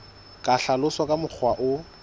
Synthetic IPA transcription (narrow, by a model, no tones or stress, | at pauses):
kʼaɬalʊswakʼamʊk͡xʰwaʔʊ